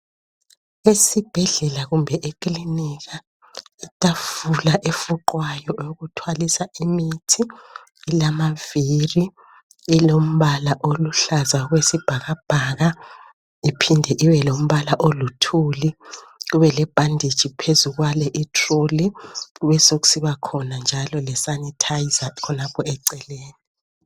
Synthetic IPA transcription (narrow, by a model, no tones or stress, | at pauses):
esib̥ʱɛɮɛlaɣumbʱɛʔekʼliniɣa | itʼafulaʔefuǃwajɔʔouɣutʰwalisaimitʰiː | lamaviri | ilom̩βalaʔoluɬazaɣwesib̥ʱaɣab̥ʱaɣa | ipʰindʱɛʔiwɛlom̩βalaʔolutʰuliɣuβɛlɛb̥ʱandʱi̥t͡ʃipʰezuɣwalɛʔitʰroliɣuβɛsoɣu̥siβakʰɔnand͡ʒʱalɔlɛsanitʰaizakʰɔnapʰɔɛǀɛleːni